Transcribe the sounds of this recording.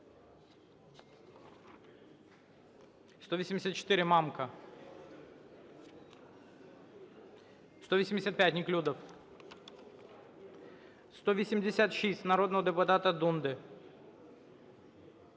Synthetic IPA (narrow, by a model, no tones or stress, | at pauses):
st̪ovʲisʲɪmʲdʲɪsʲat̪̚t͡ɕɪ̥t̪ɪɾʲɪmamkɐ | st̪ovʲisʲɪmʲdʲɪsʲat̪pʲæt̪ʲnʲɪklʲud̪ɐf | st̪oʋʲɪsʲɪmdʲɪsʲat̪ʂisʲtʲnɐɾo̞d̪nəvəd̪ɨpʊt̪at̪ɐd̪und̪ɨ